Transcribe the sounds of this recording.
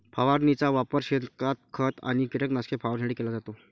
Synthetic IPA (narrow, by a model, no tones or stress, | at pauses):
pʰaʋaɾnit͡saʋapəɾɕed̪kat̪̚kʰət̪a̰ɽ̃ikiʈeknaskʰepʰaʋəɾsə̃ɳɽikelad͡zat̪o